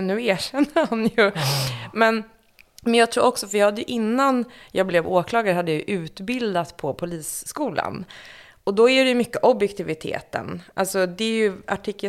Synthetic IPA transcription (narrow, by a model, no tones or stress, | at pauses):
nːʉ̟ːæːʂɛnːahanjɵmɛn | mɛnjɑːɡt̪ʰɾuːɾɔksɔfɾjɑhad̪ːəjɵʔɪnːanjɑːɡblɛvoːkʰlɑːɡaɾhad̪ːəjajɵʔʉ̟ːt̪bɪld̪at̪pʰɔpʰʊliːsːkuːla̰n | ɔd̪ɔæɖɛjɵmʏkːəʔɔbjɛkt̪ʰɪvɪt̪ʰḛːt̪ə̰nʔa̰lsɔd̪ɛæɾjɵaʈʰiːkːə